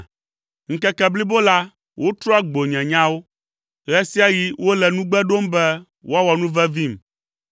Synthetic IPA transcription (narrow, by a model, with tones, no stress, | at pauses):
ŋ̩˦kɛ˦kɛ˦˨bli˦bo˦la˦ | wʔo˦t̪ɾɔ˦a˦ɡ͡bo˨ɲɛ̃˨ɲã˦wo˦ | ɣɛ˦si˦a˦ji˦wo˦lɛ˨nũ˦ɡ͡bɛ˦ɖo˦mbɛ˦ | wʔo˦a˦wɔ˨nũ˦vɛ˦vi˦m